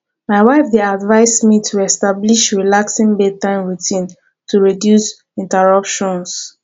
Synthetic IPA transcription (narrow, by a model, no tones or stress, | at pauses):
maɪwaɪfdeadvaɪsmitʰuɛstabliʃɹilaksĩŋbetãnɹutʰĩn | tʰuɹidjus | ĩntɛɹʌpʃɔ̃ns